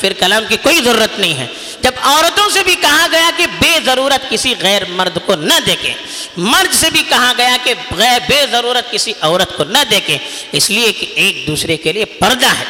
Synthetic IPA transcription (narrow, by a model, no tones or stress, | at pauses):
fɪɾkɐlaːmkikoːizɐɾuːɾət̪nɐɦĩɦɛ̰ː | d͡ʒɐbɔːɾət̪õsebʱikɐɦaɡɐjakebeːzɐɾuːɾət̪kɪsiɣɛːɾmɐɾd̪konɐd̪eːkʰḛ̃ː | mɐɾd̪sebʱikɐɦaɡɐjakeɣɛbeːzɐɾuːɾət̪̚kɪsiʔɔːɾət̪konɐd̪eːkʰẽ | ɪsliekeeːk̚d̪uːsɾekeliepɐɾd̪aɦɛ̰ː